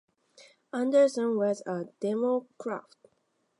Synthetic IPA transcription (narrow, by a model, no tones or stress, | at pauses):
ʌ̃ndə˞sə̃nwʌzəd̥ɛmokʰɹa̰ft̚